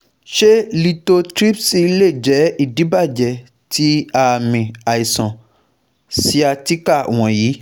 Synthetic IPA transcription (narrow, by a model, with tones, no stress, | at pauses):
ʃe˦li˧to˧tɾi˦psi˧i˧˦le˦˨d͡ʒɛ˨˦i˦˨dĩ˨˦ba˦˨d͡ʒɛ˧˨ | ti˦a˦˨mĩ˨a˨i˨sɔ̃˨ | si˦a˧ti˦ka˦˨w̃ɔ̃˧ji˨˦